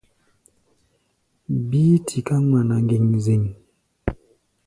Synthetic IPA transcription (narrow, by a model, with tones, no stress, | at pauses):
biː˦tʰi˨ka˦ŋa˨na˨ŋɡi˨ŋzi˨ŋ